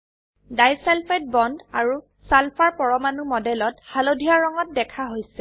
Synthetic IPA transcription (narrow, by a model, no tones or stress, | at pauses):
dajsɛlpʰɛt̚bɔndaɹu | salpʰaɹpɔɹɔmanumɔdɛlɔthalodʱijaɹɔŋɔt̚dɛkʰaɦojsɛ